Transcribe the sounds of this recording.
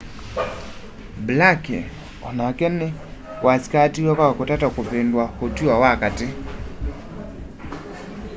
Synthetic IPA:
blakɛ̰ | ɔ̰nakɛnɛ | kwaskatiwakakotatakopendwahotiwawakatɪ

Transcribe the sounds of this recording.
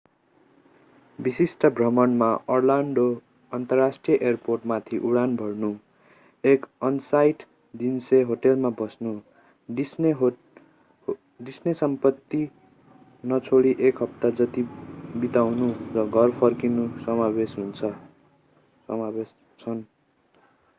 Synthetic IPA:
bisisʈʌbʱrʌmʌnmaʌrlaɳɖo | ʌnt̪ʌrːasʈrijʌʔerporʈmat̪ʰiʔuɽanbʱʌrnu | ekʌnsajʈ | d̪inseɦoʈelmabʌsnu | isɦ | ɖisnesʌmpʌt̪ːi | nʌt͡sʰoɽiʔekɦʌp̚t̪ad͡zʌt̪ibit̪awnuɾʌɡʱʌrpʰʌrkinusʌmabesɦunt͡sʰʌ | ʌmabes | t͡sʰʌn

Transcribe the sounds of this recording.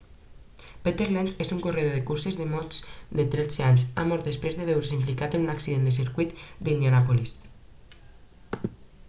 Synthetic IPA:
pet̪eɾlensezuŋkoreðoðekuɾsezðəmɔzd̪et̪ɾet͡seaɲsa̰mɔɾt̪̚d̪espɾezðəβewɾesimplikat̪ənunaksiðend̪əsiɾkuit̪d̪ind̪janapolis

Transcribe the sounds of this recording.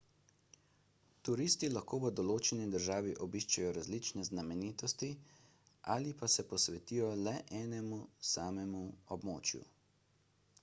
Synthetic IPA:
t̪uɾiːst̪ilaxkoːʋəd̪ɔloːt͡ʃɛnid̪əɾʒaːʋiʔɔbiʃt͡ʃajɔɾazlit͡ʃnɛznamɛniːt̪ɔst̪i | ʔaːlipasɛpɔsʋɛt̪iːjɔlɛʔɛːnɛmusaːmɛmuɔbmo̰ːt͡ʃjṵ

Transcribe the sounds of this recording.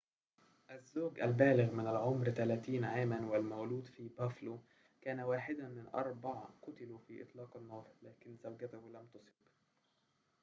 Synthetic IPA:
ʔazːoːɡʔalbæːlɪɣmɪnalʕomɾt̪alæːt̪iːnʕaːmanwɪlmawluːd̪fiːbæːflo | kæːnawaːħɪd̪amɪnʔɑ̰ɾˤbɑʕqʊt̪ɪlufiːʔɨ̰t̪ˤlɑːqɑnːɑːɾˤlæːkɪnzawɡat̪ʊhlamt̪ʊsˤɨb

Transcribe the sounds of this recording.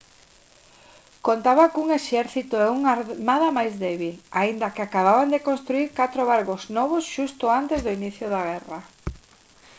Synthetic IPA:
kont̪aβakuŋeʃɛɾθit̪ʊɛuŋamaðamajzðɛβilaind̪akeakaβaβand̪ekõnst̪ɾuiɾkat̪ɾoβ̞aɾɣoznɔβ̞osʃust̪ʊant̪ezðʊiniθjʊðaɣ̞ɛra

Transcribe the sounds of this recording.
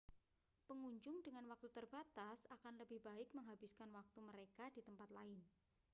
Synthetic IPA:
pəŋuɲd͡ʒʊŋdəŋanwak̚t̪ut̪ərbat̪asakanləbɪhb̥aɪk̚məŋɦab̥ɪskanwak̚t̪uməɾekad̥it̪əmpat̪laɪn

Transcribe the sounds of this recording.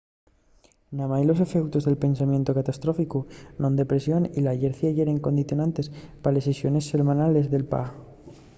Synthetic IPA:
namajlo̞se̞fewt̪ozðe̞lpe̞nsamje̞nt̪okat̪ast̪ɾo̞fikunond̪e̞pɾe̞sjo̞nilaʝeɾθiaʝeɾe̞ŋko̞nd̪iθjo̞nãnt̪e̞spalesesjo̞ne̞sːe̞lmãnale̞zðe̞lpa̰

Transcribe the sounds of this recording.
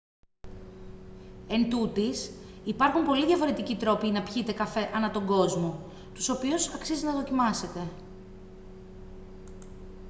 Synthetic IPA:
e̞nt̪ut̪isipɐɾxumpo̞liðʝɐfo̞ɾe̞t̪icit̪ɾo̞pinɐpçit̪e̞kɐfe̞ʔɐnɐt̪o̞ŋɡo̞zmo̞ | t̪u̥so̞piusɐksiziznɐðo̞cimɐse̞t̪e̞

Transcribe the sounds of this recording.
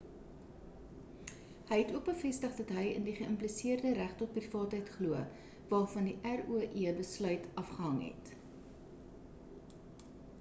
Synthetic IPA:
həjɦɛtuək̚bəfɛstəχdɐtɦəjə̰ndiχəəmplisiərdəɾæχtɔt̚prifɑːtɦəjtχluə | vɑːfɐndiʔæruəʔiəbəslœɥtʰɐfχəɦɐŋɦɛ̰t

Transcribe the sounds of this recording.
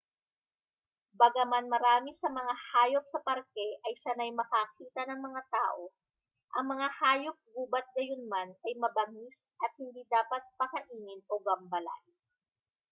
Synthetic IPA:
bɐɡɐmanmɐɾaːmɪsɐmɐŋahaːjop̚sɐpɐɾkɛʔɐjsɐnajmɐkakiːt̪ɐnɐŋmɐŋat̪a̰ːʔo̞ | ʔɐŋmɐŋahaːjop̚ɡuːbɐt̪̚ɡɐjonmanɐjmɐbɐmisʔɐt̪̚hɪnd̪iːd̪aːpɐt̪̚pɐkɐʔiːnɪno̞bɐmbɐla̰j

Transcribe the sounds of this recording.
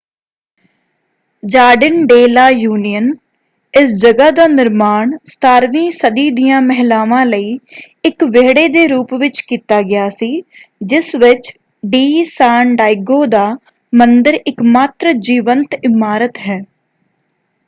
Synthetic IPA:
d͡ʒaːɖɪnɖeːlaːjuːnijən | ɪsd͡ʒəɡaːd̪aːnɪɾmaːɳst̪ʰaːɾʋĩːsəd̪iːd̪ɪjãːmɛɦlaːʋãːləiː | ɪkʋeːɽeːd̪eːɾuːpʋɪt͡ʃkiːt̪aːɡɪjaːsiːd͡ʒɪsʋɪt͡ʃ | ɖiːsaːɳɖaːɪɡoːd̪aː | mənd̪əɾɪkmaːt̪ɾəd͡ʒiːʋənt̪ɪmaːɾət̪ɦɛː

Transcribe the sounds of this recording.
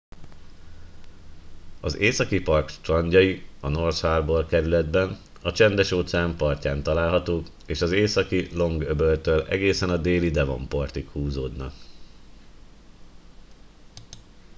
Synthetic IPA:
ɒzeːsɒkipɒrkt̪rɒɲɟɒjiɒno̞rt̪haːrboːrkɛɾylɛd̪bɛn | ɒt͡ʃɛnd̪ɛʃoːt̪saːmpɒrcaːnt̪ɒlaːlɦɒt̪oːk | eːʃɒzeːsɒkilo̞ŋɡøbølt̪ølɛ̰ɡeːsɛnɒd̪eːlid̪ɛvo̰mpɒrt̪ikhuːzoːd̪nɒ̰k̚

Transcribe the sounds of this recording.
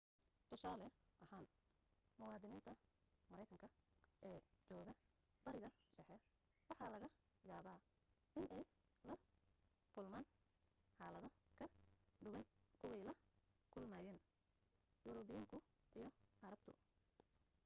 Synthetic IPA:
t̪ʰʊsaːlɛʔɐhaːn | mʊwɑːðɪniːnt̪ʰɐmɐɾɛjkʰɐŋkʰɐʔɛːt͡ʃɔːɣɐ | b̥ɐɾɪɣɐɖɛħɛ | wɑħɑːlɐɣɐ | jaːβaː | ʔɪnʔɛj | lɐ | kʰʊlmaːn | ħɑːlɐðɐkʰɐɖʊwɐnkʰʊwɛjlɐkʰʊlmaːjɛːn | jʊɾɔβɪjaːŋkʰʊ | ʔijɞʔɐɾɐbt̪ʰʊ̰

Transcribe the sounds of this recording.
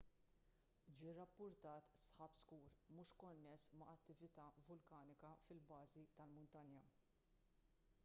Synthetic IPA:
d͡ʒiːrɐpːʊɾt̪ɐːt̪sħɐpskuːɾmuːʃkɔnːɛsmɐɐt̪ːɪvɪt̪ɐvʊlkɐːnɪkɐfɪlbɐːzit̪ɐlmʊnt̪ɐnjɐ

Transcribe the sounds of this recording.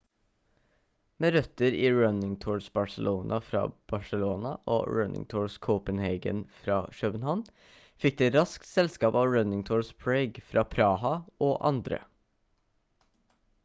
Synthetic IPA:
meːɾœt̪əɾiːɹœnɪŋt̪ʰuːɹsbɑsəlʔoːnʔɑfɾɑ̰ːb̥ɑʂəloːnɑʔo̰ːɹœnʔɪ̰ŋt̪ʰuːɹskʰɔʊpənheɪɡə̰nfɾɑ̰ːʃœbənhɑn | fɪk̚d̪ɛːt̪ɾɑsk̚t̪sɛlskɑːpɑːʋɹœnɪŋt̪ʰuːɹspʰɹeɪɡfɾɑːpʰɾɑːhɑʔoːʔɑ̰nd̪ɾə̰

